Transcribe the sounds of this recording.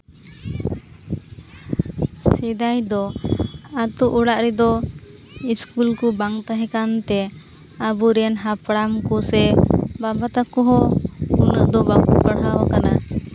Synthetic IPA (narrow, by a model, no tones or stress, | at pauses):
sɛd̪ajd̪ɔ | at̪uʔuɽaʔɾɛd̪ɔ | iskulkubaŋt̪aɦɛkant̪ɛ | abuɾɛnɦapɽamkusɛbabat̪akɔɦɔunəʔd̪ɔbakupəɽɦawakana